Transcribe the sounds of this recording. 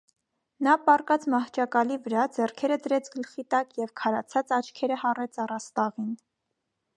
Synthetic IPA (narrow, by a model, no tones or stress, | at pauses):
nɑpɑrkɑt͡smɑht͡ʃʰɑkɑlivəɾɑd͡zɛrkʰɛɾəd̪əɾɛt͡sʰɡəlχit̪ɑkjɛvkʰɑɾɑt͡sʰɑt͡sɑt͡ʃʰkʰɛɾəhɑrɛt͡sʰɑrɑst̪ɑʁin